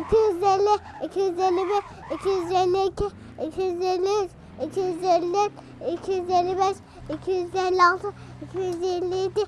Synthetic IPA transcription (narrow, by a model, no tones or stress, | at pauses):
ikʰʲijyzelʲːɪicʲʰijyzelːibe | icʰʲijyzelʲːiikʲʰɪ | ikʰijyzelʲːit͡ʃ | icʲʰijyzelʲːet̪ | icʲʰijyzelʲːibeʃ | icʲʰijyzelːialˠt̪ʰɯ | icʲʰijyzjelːijid̪ɪ